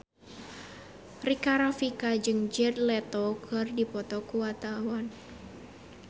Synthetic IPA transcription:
rikaɾɔfikad͡ʒɨŋd͡ʒɛdlɛt̪ɔɡ̥ə̤rdipɔt̪ɔkuwat̪awan

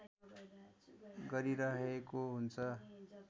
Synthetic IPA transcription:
ɡʌɾiɾʌɦekoɦunt͡sʰʌ

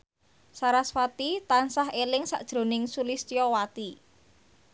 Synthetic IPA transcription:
saɾaswat̪it̪ansaɦelɪŋsa̰ʔd̥ʒ̥ɾo̤nɪŋsulist̪ijɔwat̪i

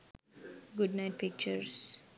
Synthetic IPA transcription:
ɡʊɖnaɪʈ̚pɪk̚t͡ʃəɾs

